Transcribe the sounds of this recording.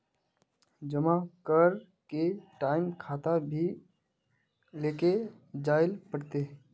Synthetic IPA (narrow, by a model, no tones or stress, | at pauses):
d͡ʒəmakəɾ | keʈaɪmkʰat̪abʱi | leke | d͡ʒaːɪlpəɽt̪e